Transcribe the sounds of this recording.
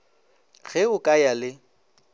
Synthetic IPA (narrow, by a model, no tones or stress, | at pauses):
ɣɛʊkʼajalɪ